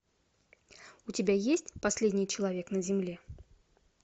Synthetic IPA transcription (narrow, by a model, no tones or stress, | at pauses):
utʲɪbʲajesʲtʲpasʲlʲedʲnʲɪjt͡ɕɪlˠavʲeknəzʲɪmlʲe